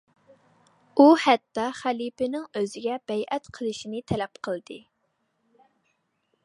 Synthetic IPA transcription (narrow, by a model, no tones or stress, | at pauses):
uhɛt̪ːɑχælipɪnɪŋøzɪɡʲɛb̥ɛjʔɛt̪qʰəlˠɨʃinɨt̪ʰɛlɛpqʰəlˠd̪ɨ